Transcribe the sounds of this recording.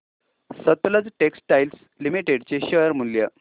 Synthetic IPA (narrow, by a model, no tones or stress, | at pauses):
sət̪ləd͡zʈeksʈʈajls | limiʈeɽt͡ɕeɕəjəɾmuljə